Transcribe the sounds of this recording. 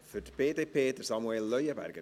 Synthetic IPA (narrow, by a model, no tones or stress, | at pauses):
fədbeːdepʰeːd̪ərsɔmwɛːlːəjəba̰rɡə